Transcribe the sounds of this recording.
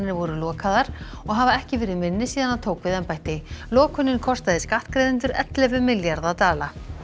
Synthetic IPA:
ɪnɪvɔɾʏlɔːkʰaðaɾ̥ | ɔɣɦavaɛhcɪvɛːɾɪðmɪnːɪsiːðanaðt̪ʰoːwkvɪðɛmpajht̪ɪlɔːkʰʏnːɪnkʰɔst̪aðɪskaht̪kɾejðɪnt̪̬ʏɾɛ̰t̪lɛvʏmɪljaɾðat̪aːla

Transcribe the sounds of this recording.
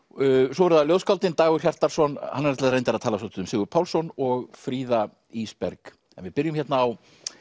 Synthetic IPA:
sɔvɛɾʏðaljowskawlt̪ɪnt̪aːɣʏɾ̥çar̥t̪aɾ̥sɔnhanːɛɾɛt̪aðɾejnt̪aɾaðt̪ʰaːlasowt̪ʏðʏmsɪːɣʏɾpʰaːwlsɔnɔɣfɾiːða | ispɛɾk | ɛnvɪðpɪɾjʏmçɛt̪naːw

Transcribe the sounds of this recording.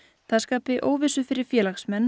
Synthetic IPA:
θaðskaːpɪʔoːwvɪsʏfɪɾɪɾ̥fjɛːlaxsmɛnː

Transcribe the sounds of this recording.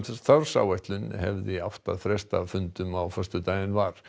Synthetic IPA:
θœɾ̥sa̰ːwɛjht̪lʏnhɛ̰vðɪawft̪aðθɾɛst̪avfʏnt̪ʏmawfœrst̪ʏt̪aːjðɪnvaɾ̥

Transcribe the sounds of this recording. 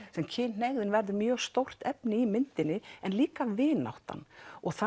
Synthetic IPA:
sɛmcʰɪːnneɣðɪnvɛɾðʏɾmjœːɣst̪owr̥t̪ɛpnɪimɪnt̪ɪnːɪɛnliːkavɪːna̰wht̪a̰nɔɣθa

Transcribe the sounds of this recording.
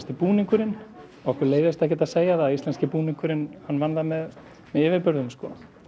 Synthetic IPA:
st̪ɪpuːniŋkʏɾɪn | ɔɣɔkvɛɾleːjðɪst̪ɛhcːɛt̪aðseːjaθaist̪ɛnscɪpuːniŋkʏɾɪnhanːvanðamɛð | mɛðɪːvɪɾpʏɾðʏmskɔ

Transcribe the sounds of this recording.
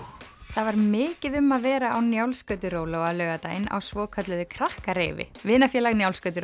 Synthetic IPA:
θavaɾmɪːcɪðʏmːaðvɛːɾaawnjawlskœɥt̪ʏɾoːwlowaðlœːɣat̪ajɪnːa̰wsvɔːkʰœt̪lʏðʏkʰɾahkaɾḛːvɪ̰vɪːnafjɛlaɣnjawlskœːt̪ʏɾ

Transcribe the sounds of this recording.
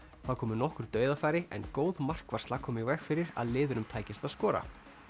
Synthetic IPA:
θaðkʰɔːmʏnɔhkʏɾ̥t̪œːɥðafaːjɾɪʔɛ̰nkoːwðmar̥kvar̥st̪lakʰɔːmɪivɛxfɪɾɪɾa̰ðlɪːðʏnʏmt̪ʰaːjcɪst̪aðskɔːɾa̰

